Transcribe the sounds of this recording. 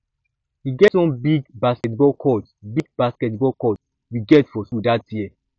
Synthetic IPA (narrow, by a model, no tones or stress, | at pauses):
hiɡɛtsɔ̃mbiɡbaskɛtbɔkʰɔtbiɡ̚baskɛtbɔkɔt | wiɡɛtfɔsudatjiɛ